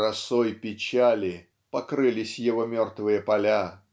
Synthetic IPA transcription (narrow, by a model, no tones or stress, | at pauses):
ɾɐsojpʲɪt͡ɕalʲɪ | pɐkɾɨlʲɪsʲjɪvomʲo̞rt̪vɨjəpɐlʲa